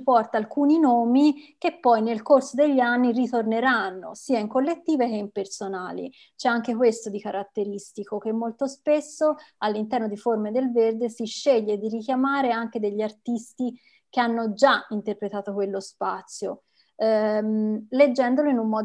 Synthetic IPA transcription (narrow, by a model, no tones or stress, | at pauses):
pɔrt̪aːlkuːninoːmik̟epːɔjnelkorsod̪eʎːanːirit̪orneɾanːo̰siːaiŋkolːet̪ːiːvek̟eimpersonaːlḭ | t͡ʃɛaŋk̟ekwest̪od̪ikaɾʔat̪ːeɾist̪ikok̟emːolt̪ospesːoalːint̪ɛrnod̪iformed̪elverd̪esiʃːɛʎːed̪irikjamaːɾeaŋk̟ed̪eʎːiart̪ist̪i | k̟eanːod͡ʒaint̪erpɾet̪aːt̪okwelːospat̪sːjo | led͡ʒːɛnd̪oloinumːɔːd̪